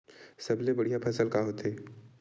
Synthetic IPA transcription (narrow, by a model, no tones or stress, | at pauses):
sɐblebɐɽ̤ijapʰɐsəlkaɦoːt̪eː